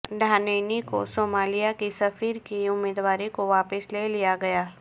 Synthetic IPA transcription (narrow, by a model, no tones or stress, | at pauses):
ɖʱaːneːniko̰soːmaːlijakisɐfiːɾkiʊmːiːd̪ʋaːɾikoʋaːpəsleːlijaɡɐjaː